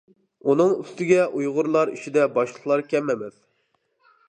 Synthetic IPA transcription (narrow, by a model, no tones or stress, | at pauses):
unɨŋyst̪ɪɡʲɛʔujʁʊɾlˠɑɾḭt͡ʃid̪ɛbɑʃlˠəqlˠɑɾkʲɛmːɛmɪz̥